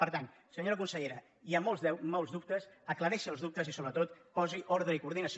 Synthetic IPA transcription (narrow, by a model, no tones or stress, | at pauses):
pəɾt̪an | səɲoɾəkunsəʎeɾə | iəmolˠzmɔwlˠzðup̚t̪əsəkləɾɛʃəəlˠzðup̚t̪əzisoβɾət̪ot̪pɔziʔɔɾðɾəikuɾðinəs